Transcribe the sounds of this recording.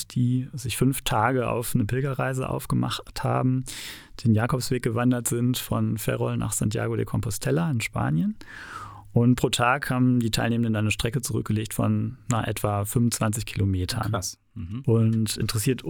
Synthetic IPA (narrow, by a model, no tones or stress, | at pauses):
d̥iːzɪçfʏnftʰaːɡəʔa̰ʊfnəpɪlɡɐʁaɪzə̰ʔa̰ʊfɡ̥əma̰χtha̰ːbm̩ | d̥eːnjaːkʰɔpsv̥eːk̚ɡ̥əvandɐtz̥ɪntfɔnfɛ̰ʁɔlna̰ːχsa̰ntja̰ːɡodḛːkʰɔmpɔstʰɛlaɪnʃpa̰ːnjən | ʔʊntpʁ̥oːtʰaːkhaːbm̩diːtʰaɪlneːməndəndanːnəʃtʁ̥ɛkət͡suʁʏ̰k̚ɡ̥əleːçtfɔ̰nːaːχʔɛ̰tv̥afʏnvʊnt͡sv̥ant͡sɪçkʰilomeːtʰɐ̰n | ʔʊntʔɪ̰ntəʁ̥ɛsiːɐt